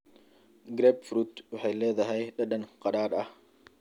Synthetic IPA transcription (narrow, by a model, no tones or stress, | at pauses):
ɡɾɛbfɾut̪wɑħɛjlɛːðɐɦɐjɗɐɗɐnqɑɗaːɾɐh